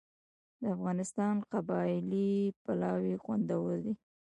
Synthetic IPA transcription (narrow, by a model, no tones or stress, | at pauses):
d̪əafɣɑnɪst̪ɑnqabɑlipalɑwixwa̰nd̪awəld̪i